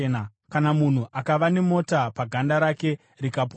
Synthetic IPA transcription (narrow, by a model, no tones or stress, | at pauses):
n | kanamun̤uʔakaʋane̞mo̞tapaɡʱandaɾake̞ | rikap